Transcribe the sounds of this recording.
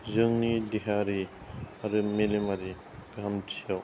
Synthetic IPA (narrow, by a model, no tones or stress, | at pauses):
zɯŋnidiɦaɾi | aɾɯmelemaɾi | ɡamtʰijaw